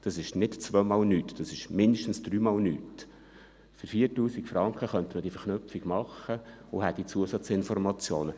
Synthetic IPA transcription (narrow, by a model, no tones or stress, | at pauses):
d̥ɑsɪʃnɪtt͡svʋœmɑlnyːtd̥ɑsɪʃmɪndəʃtn̩sd̥ɾyːmɑːlny̰ːt | fəɾfiːəɾtuːsikfɾɑŋkχəχœnt̪əməd̥iəfəɾχnøpfiɡ̥mɑχə | ohɛtd̥it͡suəsɑt͡sɪnfɔrmɑt͡sjoːnə